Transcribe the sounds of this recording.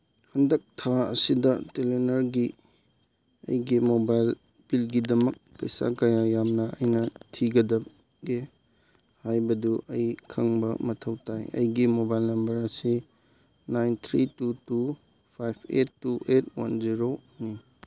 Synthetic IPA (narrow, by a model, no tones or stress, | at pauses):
hɐndɐk̚tʰaɐ̰sidɐtelenɐɾɡi | ɐ̰jɡimobajl | b̥ilɡidɐmɐk̚pɐ̰jsa̰kɐjajamnɐɐjnɐtʰiɡɐdɐp̚ | ɡe | hajbɐduʔɐjkʰɐŋbɐ̰mɐtʰɐwtajɐ̰jɡimobajlnɐmbɐɾɐsi | najnt̪ʰɾitutu | pʰajpʰetːuʔet̚wa̰nziɾoni